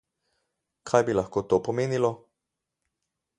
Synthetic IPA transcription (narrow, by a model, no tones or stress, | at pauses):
kʰaːjbilɐxkoːt̪oːpɔmeːnilɔ